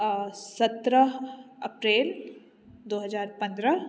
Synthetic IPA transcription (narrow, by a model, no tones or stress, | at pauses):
sɐt̪ɾəɐpɾeːl | d̪oːɦɐzaːɾpɐ̃nd̪ɾə